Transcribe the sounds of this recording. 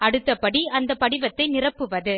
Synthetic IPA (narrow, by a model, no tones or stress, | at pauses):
ɐɽɯt̪ːɐpːɐɽiɐnd̪ɐpɐɽɪʋɐt̪ːɐɪnɪrɐpːɯʋɐðɯ